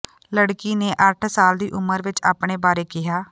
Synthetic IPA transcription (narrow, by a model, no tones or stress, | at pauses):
ləɽkiːneːʔəʈʰsaːld̪iːʔʊməɾʋɪt͡ʃaːpɳ̃eːbaːɾeːkɪɦaː